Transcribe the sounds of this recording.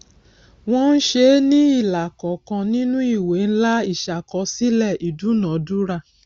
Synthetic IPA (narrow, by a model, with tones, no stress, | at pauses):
w̃ɔ̃˦n̩˦ʃe˧˦nĩ˦i˦˨la˨kɔ˨˦kã˧nĩ˦nũ˦i˦˨we˨˦n̩˦la˦i˦˨ʃa˨kɔ˧˦si˦lɛ˦˨ʔi˨du˨˦nã˨˦du˦ɾa˧˨